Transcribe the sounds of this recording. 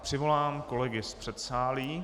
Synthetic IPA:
pr̥ɪvo̞laːmko̞lɛɡɪspr̥ɛt̪saːliː

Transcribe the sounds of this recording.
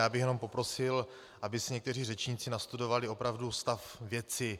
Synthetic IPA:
jaːbɪxjɛnompo̞pɾo̞sɪl | ʔabɪsɪɲɛkt̪ɛriːrɛt͡ʃɲiːt͡sɪnast̪udo̞valɪopɾavdust̪afvjɛt͡sɪ

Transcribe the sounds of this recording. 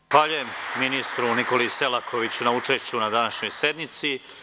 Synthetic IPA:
xʋaːʎujemːinist̪ɾuniko̞lise̞lakʰo̞ʋit͡ɕunaut͡ʃe̞ʃt͡ɕunad̪anaʃɲo̞jse̞d̪nit̪si

